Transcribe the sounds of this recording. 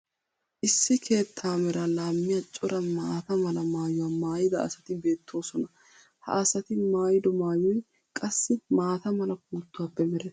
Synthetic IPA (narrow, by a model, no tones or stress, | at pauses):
ʔɪsːɪkʰe̞ːt̪ʰːaːmɛɾalaːmːɪjɐt͡ʃʼʊɾɐmaːt̪ɐmɐlɐmaːjʊwaːmaːjɪd̪ɐ̰ːsɐt̪ɪbe̞ːt̪ʰːo̞ːsɔnɐ | hɐ̰ɐsɐt̪ɪmaːjɪd̪ɔmaːjɔj | kʼɐsːɪmaːt̪ɐmɐlɐk̚uːt̪ːʊwaːpːɛmɛɾɛ